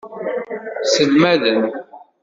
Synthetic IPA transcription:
səlmæðən

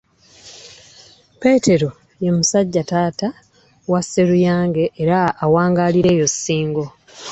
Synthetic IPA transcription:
pe̞ːte̞ɾo̞ | jemusaɟːataːta | wasːe̞ɾujaːŋɡe̞ʔːɾaːwaːŋɡaːliɾe̞ːjo̞sːiːŋɡo̞

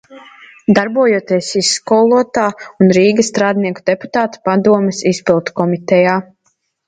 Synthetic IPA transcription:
d̪aɾbuɔjuɔt̪iɛsisːkɔlˠuɔt̪aːunɾiːɡɐst̪ɾaːd̪niɛkud̪̥ɛpu̥t̪aːt̪ḁpad̪uɔmɛsispilˠt̪u̥kɔmit̪ɛjaː

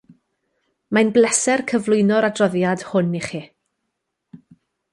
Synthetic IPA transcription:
majnblˠɛsɛrkʰəvlˠʊjnɔɾadrɔðjad̥hʊniχiː

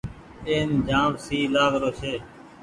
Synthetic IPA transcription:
eːnd͡ʒãːʋsiːlaːɡɾoːt͡ʃʰeː

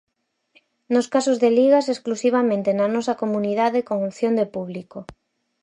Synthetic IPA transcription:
noskasozðeliɣasesklusiβamẽnt̪enanɔsakomuniðaðekoŋuθjond̪epuβliko

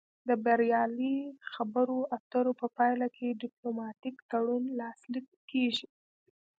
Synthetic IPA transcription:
d̪əbaɾjɑlixabəɾoaft̪əɾopəpɑjlakʰeɖɪplomɑʈikt̪aɽunlɑslikː | eʒi

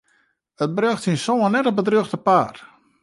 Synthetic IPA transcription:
ət̚brøxtinsoənɛtəbədrøxtəpaːr

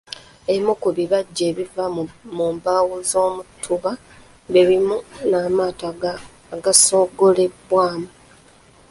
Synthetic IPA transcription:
emukuβiβaɟːe̞ːβivamuːmbaːwuzo̞ːmutʰːuβa | βeɾimunaːmaːta | ɡaso̞ːɡo̞le̞bwaːmu

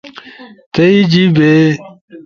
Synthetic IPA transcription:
t̪ɐid͡ʑibe

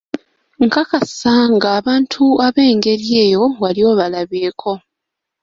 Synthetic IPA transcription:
ŋkakasaŋɡaːβaːntʰuaβe̞ːŋɡe̞ɾie̞ːjo̞walio̞ːβalaβeːkʰo̞

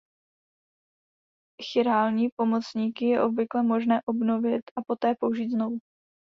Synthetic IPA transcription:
xɪɾaːlɲiːpo̞mo̞t͡sɲiːkɪjɛʔo̞bvɪklɛmo̞ʒnɛːʔo̞bno̞vɪt̪ʔapo̞t̪ɛːpo̞uʒiːt̪zno̞vu

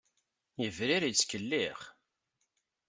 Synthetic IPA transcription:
jəvɾiɾit͡sːkəlːiχ

